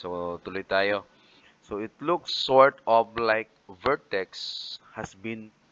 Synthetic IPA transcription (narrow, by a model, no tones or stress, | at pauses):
sot̪ʊlʊjt̪aːjo | soɪt̪lʊksːɔɹt̪ɔflajk̚vɛɹt̪ɛkshasbĩn